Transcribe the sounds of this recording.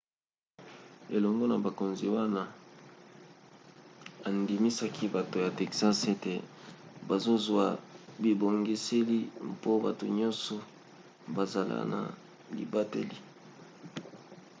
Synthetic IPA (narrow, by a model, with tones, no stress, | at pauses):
e˨lɔ˨ŋɡo˦na˨ba˨ko˨nzi˨wa˦na˦ | a˨ndi˨mi˦sa˦kʰi˦ba˨to˨ja˨te˨ksa˦se˦te˨ba˨zo˦zwa˨bi˨bo˨ŋɡi˦se˦li˦mpo˦ba˨to̰˨ɲɔ˦nsɔ˨ | ba˨za˨la̰˦na̰˨ | lḭ˨ba˦tḛ˦li˦